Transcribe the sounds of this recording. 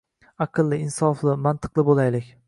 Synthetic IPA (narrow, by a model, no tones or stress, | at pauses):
ɑqʰɨlˠːɪɪnsɒflˠɪmant̪ʰɨ̥qlˠɪbolˠajlɪkʲ